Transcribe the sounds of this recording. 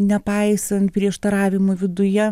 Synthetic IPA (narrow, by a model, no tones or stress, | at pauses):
nʲɛpɐɪsɐnt̪̚pʲɾʲiɛʃt̪ɐɾɑːʋʲɪmoʋʲɪd̪ʊjɛ